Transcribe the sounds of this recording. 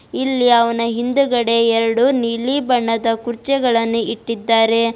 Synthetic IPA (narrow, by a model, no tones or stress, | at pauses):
ilːiɐʋɐnɐɦind̪uɡɐɽe̞ɛɾɐɽuniɭibɐɳːɐd̪ɐkuɾt͡ʃɛɡɐɭɐnːuʔiʈːid̪ːaːɾe̞